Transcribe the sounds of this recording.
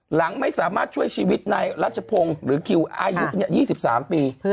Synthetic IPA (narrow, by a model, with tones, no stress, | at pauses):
la˨˩˦ŋma˥˩jsaː˩˦maː˥˩t̪̚t͡ɕʰu˥˩əjt͡ɕiː˧wi˦˥t̪̚na˧jɾa˦˥˩t͡ɕa˧pʰo˧ŋɾɯː˩˦kʰi˧wʔaː˧ju˦˥ɲa˧˩jiː˥˩si˨˩p̚saː˩˦mpiː˧